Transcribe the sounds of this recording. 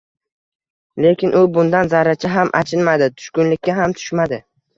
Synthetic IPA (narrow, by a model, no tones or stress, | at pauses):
le̞kʲʰɪnʔʊbʊnd̪anzaɾat͡ʃʰaɦamʔa̰t͡ʃʰɪnmad̪ɪt̪ʰʊ̥ʃkʊnlɪk̚ʲːaɦamt̪ʰʊ̥ʃmad̪ɪ